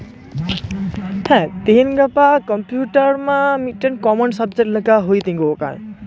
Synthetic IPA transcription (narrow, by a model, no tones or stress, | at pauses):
hɛ̃t̪inɡʌpakʌmpjuʈʌrmamiʈːʌnkʌmʌnsʌb̚d͡zeʈlʌkaɦojt̪ĩŋɡoːka̰n